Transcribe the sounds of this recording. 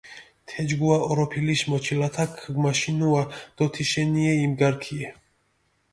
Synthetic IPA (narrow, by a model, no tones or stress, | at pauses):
t̪ʰɛd͡ʒɡuaɔɾɔpʰiliʃmɔt͡ʃʰilat̪ʰakʰmaʃinuad̪̥ɔt̪ʰiʃɛniɛimɡaɾkʰiɛ